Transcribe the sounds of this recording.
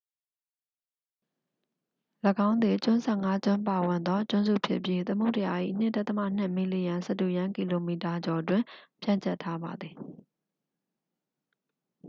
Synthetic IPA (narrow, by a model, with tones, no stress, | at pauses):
lə˨ɡã˦ʊ̃nd̪wi˨t͡ɕʊ̃˦sʰɛ˦˨ŋa˦t͡ɕʊ̃˦mpa˨wɪ̃˨nd̪ɔ˦t͡ɕʊ̃˦nzṵ˦˨pʰjɪ̰˦ʔpji˦t̪əmo˦˨tə˨ja˨ʔḭ˦˨n̥ɪ̰̃˦˨ta˦t̪ə˦mä̰˦˨n̥ɪ˦˨mi˨li˨jã˨sɛ˦˨tu˨jã˦ŋki˨lo˨mi˨ta˨d͡ʑɔ˨ʔtwɪ̃˨pʰjã̰˦˨ɲt͡ɕʰɛ˦˨tʰːa˦ba˨d̪ði˨